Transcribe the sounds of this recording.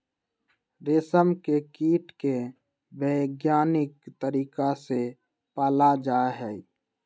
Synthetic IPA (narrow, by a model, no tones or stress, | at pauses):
ɾesəmkekiːʈke | bəɪɡjaːnɪkt̪əɾiːkase | paːlad͡ʒaːɦɛ